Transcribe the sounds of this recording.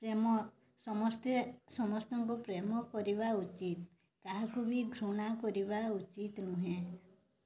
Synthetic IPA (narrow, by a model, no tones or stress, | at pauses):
pɾemɔ | sɔmɔst̪esɔmɔst̪ɔŋkupɾemɔkɔɾiβaut͡ʃit̪ | kaɦakubiɡʱɾuɽ̃akɔɾiβaut͡ʃit̪nuɦẽ